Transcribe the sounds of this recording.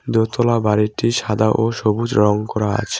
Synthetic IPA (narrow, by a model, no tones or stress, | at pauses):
d̪ot̪ɔlabaɾiʈiʃad̪aʔoʃobud͡ʑɾɔŋkɔɾaa̰t͡ɕʰe